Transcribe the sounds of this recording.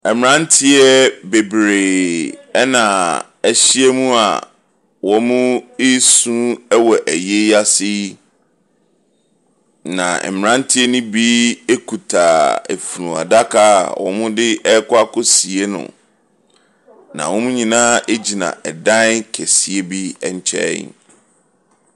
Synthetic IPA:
ɛ˨m˨ɾã˦n˦tʰɪ˦ɛ˦be˨bɾeː˨ɛ˦nã˨ | ɛ˨ɕɪ˦ɛ˦mũ˦a̰˨ | wɔ˨mũ˦e˦sũ˦ɛ˦wɔ˨ʔæ˨je˦a˦sɪ˦ | nã̰˨ɛ̰˨m˨ɾã˦n˦tʰɪ˦ɛ˦nũ˦bi˦e˦kʰu˨tʰa˨æ̰˨fu˨ɾũ˨a̰˨da˦kʰa̰˦˨wʔɔ̰̃˨mʊ̃˦dɪ˦ʔɛ˦kʰʊ˦a˦kʊ˦si˨e˦nʊ̰̃˨ | nã̰˨wɔ̃˦mũ˦ɲĩ˨nãː˦ʔe˦d͡ʑi˨nã̰˨ɛ˨dã˦nkʰɛ˨si˨e˦bi˦ɛ˨ɲ˨t͡ɕʰɛ̰˦

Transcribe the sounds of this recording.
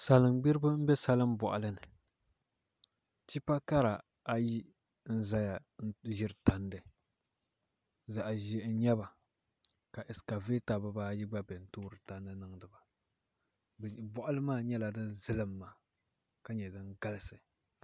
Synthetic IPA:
sa˨lɨ˨mɡ͡bɪ˦ɾɨ˦bɨ˦m̩˦bɛ˦sa˨lɨ˦mbɔ̰˨ʔa̰˨lɨ˦nɨ˨ | ti˦pa˦ka˦ɾa˨ | a˨ji˦ | n̩˦za˦ja˨˦ | ʒɪ˦ɾɨ˨ta˨ndɨ˨ | za˨ʔʒɛ˦ɲɛ˦ba˨ | ka˨ʔɪ˨ska˨ve˦ta˨ba˦baː˦ji˦ɡ͡ba˦bɛ˨n̩˨tuː˦ɾɨ˨ta˨ndɨ˦nɨ˦ŋdɨ˨ba˨ | bɔ˨ʔa˦lɨ˦maː˦˨ɲɛ˦la˨dɨ˦nzɨ˦lɨ˦mːaː˨ | ka˦ɲɛ˨dɨ˦ŋɡa˦lɨ˦sɨ˨

